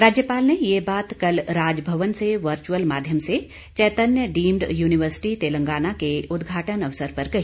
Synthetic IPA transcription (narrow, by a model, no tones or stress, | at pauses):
ɾaːd͡ʒjəpaːlnejebaːt̪kɐlɾaːd͡ʒbʱɐʋənseʋɐɾt͡ʃuəlmaːd̪ʱjəmse | t͡ʃɛːt̪ənjəɖiːmɖjuːnɪʋəɾsɪ̥ʈit̪eːlə̃ŋɡaːnakeʊd̪ɡʱaːʈənɐʋsəɾpɐɾkɐɦi